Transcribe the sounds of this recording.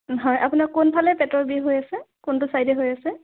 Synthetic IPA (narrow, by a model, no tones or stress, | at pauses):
ɦɔjapunakʊnpʰalɛpɛtɔɹbiɦojasɛkʊntʊsajdɛɦojasɛ